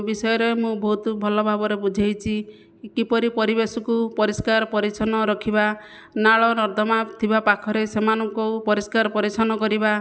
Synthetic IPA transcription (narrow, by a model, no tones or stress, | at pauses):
bisɔjɔɾemũbɔɦut̪ubʱɔlɔbʱabɔɾebud͡ʒʱajt͡ʃʰi | kipɔɾipɔɾibesɔkupɔɾiskaɾpɔɾit͡ʃʰɔnɔɾɔkʰiba | naɭɔnɔɾd̪ʱɔmat̪ʰibapakʰɔɾesemanɔŋkɔpɔɾiskaɾpɔɾit͡ʃʰɔnɔkɔɾiba